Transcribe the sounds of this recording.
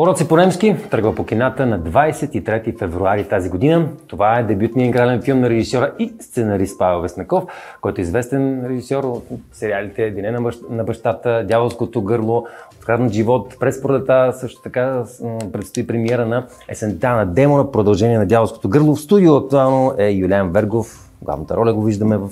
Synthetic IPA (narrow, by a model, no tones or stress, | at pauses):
poɾɔt̪siponɛmskit̪ɤɾɡvəpokʲinat̪ənɐd̪vajsɛt̪it̪ɾɛt̪ifɛvɾuaɾit̪aziɡod̪inət̪ovaɛd̪ɛbjut̪niəiŋɡɾalɛnfilˠmnɐɾɛʒisʲɔɾəist̪sɛnɐɾist̪pavɛlˠvɛsnɐkɔfkɔjt̪oizvɛst̪ɛnɾɛʒisʲɔɾot̪sɛɾialit̪ɛːd̪inɛnnɐbɐʃt̪at̪əd̪javəlˠskot̪oɡɤɾlˠoot̪kɾad̪noʒivɔt̪pɾɛspoɾd̪ət̪asɤʃt̪o̥t̪ɐkapɾɛt̪st̪oipɾɛmiɛɾənɐ | ɛsɛnt̪anɐd̪ɛmoɾəpɾod̪ɐlˠʒɛniɛnɐd̪javolˠsko̥t̪oɡɤɾlˠofst̪ud̪iʊɐk̚t̪ualˠnoʔɛjulʲianvɛɾɡof | ɡlˠa̰vnət̪ə̰ɾɔlʲɐɡoviʒd̪əmɛvəf